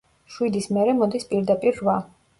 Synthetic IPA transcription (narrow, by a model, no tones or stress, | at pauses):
ʃwid̪ismɛɾɛmɔd̪ispʼiɾd̪apʼiɾːva